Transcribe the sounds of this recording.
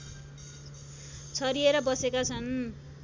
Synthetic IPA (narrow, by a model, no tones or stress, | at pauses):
t͡sʰʌɾieɾʌbʌsekat͡sʰʌn